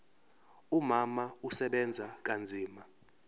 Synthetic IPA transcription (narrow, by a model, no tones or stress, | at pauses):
umamausɛɓɛnd͡zʱak̬and͡zʱiːma